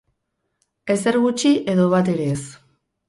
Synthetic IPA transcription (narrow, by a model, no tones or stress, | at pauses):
e̞se̞ɾɣut͡ʃiʔe̞ðo̞β̞at̪e̞ɾe̞ːs